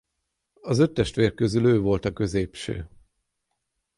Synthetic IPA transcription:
ɒzø̞t̪ːɛʃt̪ʋeːrkø̞zyløːvo̞lt̪ɒkø̞zeːpʃø̰ː

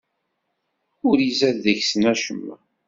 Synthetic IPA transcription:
ʊɾizæððəçsənæʃəmː

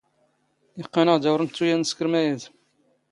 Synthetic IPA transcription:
jəqːɑnəʁd̪æwɾˤənt̪t͡s̪ːujænskəɾmæjæð

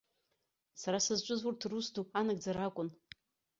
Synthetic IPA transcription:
saɾasɨzt͡ʃʷʼʊzurtʰrusduanaɡ̚d͡zaɾakʷʼʊn

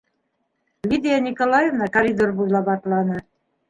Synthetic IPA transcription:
lʲid̪ʲijanʲikolˠɑjevnɑkɐɾʲid̪orbujlˠɑbɑt̪lˠɑnɤ

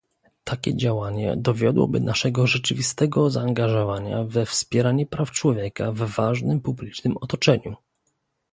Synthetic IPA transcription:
t̪ʰakʲɛ̰d͡ʑawaɲɛ̰d̪ɔvʲjɔd̪wɔ̰bɘnaʂɛɡɔʐɛt͡ʂɘvʲist̪ɛɡɔzaːŋɡaʐɔvaɲa̰vɛfspʲjɛɾaɲɛpɾaft͡ʂwɔvʲjɛkavːaʐnɘmpublʲit͡ʂnɘmɔt̪ɔt͡ʂɛɲu

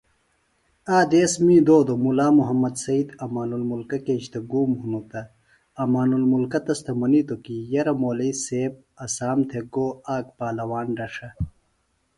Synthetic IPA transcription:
aːd̪eːsmĩːd̪oːd̪omulaːmuɦɐmːɐd̪sɐid̪ɐmaːnulmulkɐked͡ʑt̪ɐɡuːmhunut̪ɐ | ɐmaːnulmulkɐt̪ɐst̪ʰɐmɐnit̪okijɐɾɐmoːlɐiseːb̚ɐsaːmt̪ʰeɡoːaːk̚paːlɐwaːnɖɐʂɐ

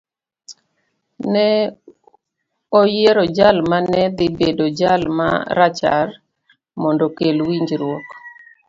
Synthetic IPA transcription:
nɛ | ojeɾɔd͡ʒalmanɛd̪ɪbedod͡ʒalma̰ɾat͡ʃa̰r | mɔndokelwiɲd͡ʒɾwɔk

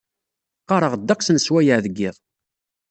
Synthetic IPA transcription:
qːɑɾˤəʁd̪ːækʷsənswæjəʕðəɡːɪðˤ

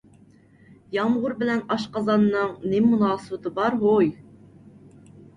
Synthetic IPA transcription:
jɑmʁʊɾbɪlɛnɑʃqɑzɑnːɨŋnɪmunɑːsɨbɨt̪ʰɨbɑɾɦoj

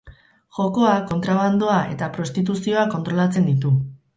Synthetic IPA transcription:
ʝo̞ko̞ako̞nt̪ɾaβand̪oaʔe̞t̪apɾo̞st̪it̪̬usio̞ako̞nt̪ɾo̞lat͡se̞nd̪it̪u

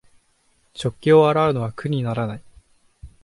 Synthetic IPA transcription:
t͡ɕo̞kʲːioaɾaɯ̟no̞βakɯ̟ɲ̟inaɾanai

